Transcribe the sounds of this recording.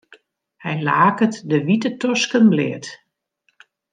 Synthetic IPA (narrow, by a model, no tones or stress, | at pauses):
hɛjlaːkətdəʋitətɔskənblɪːət